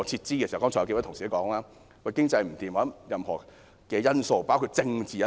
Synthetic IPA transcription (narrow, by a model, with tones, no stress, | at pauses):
ɔ˨˧t͡sʰi˧t̚t͡siː˥kɛː˧skɔː˥ŋʰɔː˨˩˨ke˧wt̪ʰʊ˨˩ŋsi˨˩˥kɔː˨˥ŋlaː˥ | kʰɔ˧kɪ˥ŋt͡sɐ˧jm̩˨˩t̪iː˨mwɐː˨˥njɐ˨mhɔ̰ː˨˩ | kɛː˧jɐ˥nso˧wpaː˥wkʰu˧t̚t͡sɪ˧ŋt͡siː˨jɐ˦